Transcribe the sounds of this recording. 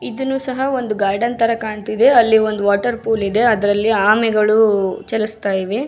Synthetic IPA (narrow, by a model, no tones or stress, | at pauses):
id̪unːuːsɐɦɐo̞nd̪uɡaːɾɖɐnt̪ʰɐɾɐkaːɳt̪id̪e̞ɐlːio̞nd̪uʋaːʈɐɾpuːlid̪e̞ɐd̪ɐɾɐlːiaːmɛɡɐɭut͡ʃɛlust̪aːjiʋe